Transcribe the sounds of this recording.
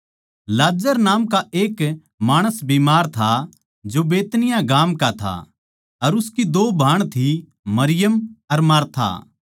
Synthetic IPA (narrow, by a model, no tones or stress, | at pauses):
laːd͡ʒəɾnaːmkaeːk | maːɽ̃əsbiːmaːɾt̪ʰa | d͡ʒobeːt̪nɪjãɡaːmkat̪ʰa̰ | ɐɾʊskid̪oːbʱaːɽ̃t̪ʰi | mɐɾɪjəmɐɾmaːɾt̪ʰa̰ː